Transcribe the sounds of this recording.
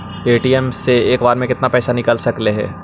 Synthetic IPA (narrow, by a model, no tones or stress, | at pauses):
eːʈiːɛmseeːkbaːɾmẽkɪt̪napɛːsanɪkəlsɐkleɦɛ̰ː